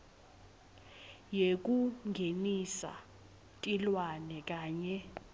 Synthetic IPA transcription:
jek̬ʼuŋɡʱenisa̰ | tʼilwanɛk̬ʼaːɲɛ

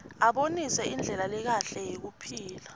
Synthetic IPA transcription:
aɓonisɛind͡ɮʱɛlalɛk̬aɬɛjek̬upʰiːla

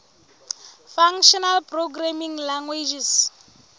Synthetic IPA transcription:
faŋʃɔnalpʼroɡramiŋlaŋɡwed͡ʒis

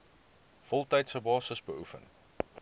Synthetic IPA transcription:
fɔlˠtɛjtsəbɑːsəsbəufə̰n

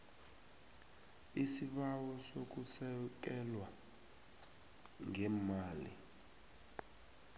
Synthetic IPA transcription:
isiɓawɔsok̬usɛk̬ɛlwa | ŋɛmaːlḭ

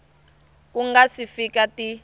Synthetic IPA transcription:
k̬uŋɡasifikatʼi

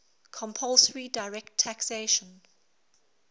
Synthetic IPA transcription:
kʰɔ̃mpʰɔlsəɹidaɪɹɛk̚tʰːækseʃə̃n

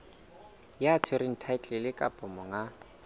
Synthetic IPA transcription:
jaːt͡sʰʊɾɪn̩tʰaɪt͡ɬʼɛlɪkʼapʼɔmɔŋa

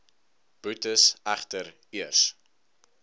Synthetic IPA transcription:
b̥utəsæχtəɾ | iərs

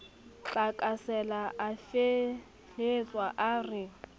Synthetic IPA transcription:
t͡ɬbakʼasɛlaʔafe | et͡sʼwaʔarɪ

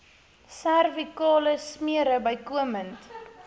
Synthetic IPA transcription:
særvikɑːləsmiəɾəbəjkuəmənt

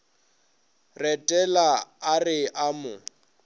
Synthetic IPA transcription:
rɛtʼɛlaarɪʔamʊ

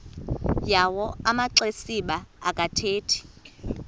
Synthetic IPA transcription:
jawɔamaǀesiɓaːkʼatʰeːtʰi̥

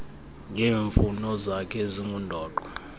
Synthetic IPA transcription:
ŋʱeːɱfunɔzakʰɛziŋɡundʱɔːǃɔ

